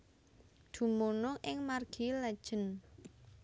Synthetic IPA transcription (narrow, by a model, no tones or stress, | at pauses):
d̪̥ṳmunʊʔɪŋmarɡ̥ilɛd̥ʒ̥ə̤n